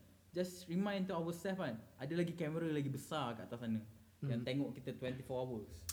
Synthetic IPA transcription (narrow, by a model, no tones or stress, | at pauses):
d͡ʒasɹimãj̃nt̪uawəst̪ɛfanʔadəlaɡikɛməɾəlaɡibəsarkəat̪asanə̃ | jãŋt̪eŋɔʔkit̪ət̪wɛ̃nt̪ifɔawəs